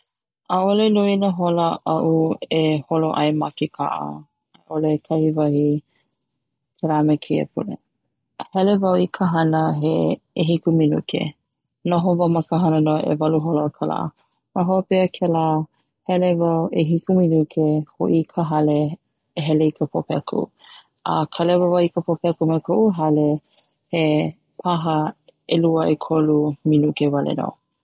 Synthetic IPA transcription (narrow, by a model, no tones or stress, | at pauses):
aolenuinəɦoləʔɐʔueholoʔɐ̰jmakikʰa̰ʔə̰ | aʔolekʰɐhivɐhi | kʰelamekʰeə̰pʰṵlḛ | hɛlevɐwikʰəɦɐnəɦeː | ɦikuminṵkḛ | noɦovɐmɐkəɦɐnənoʔḛvɐluɦoloəkʰəla̰ː | maɦoopɛəkʰɛlaː | hɛlevɐweɦikuminukʰehoʔikʰəɦɐleː | ɦɛleikəpʰopɛkʰṵ | ʔə̰kʰəlɛvəvawikəpopɛkumakʰoʔuɦɐle | he | pʰɐɦə | eluəʔekʰoluminukevɐlḛno̰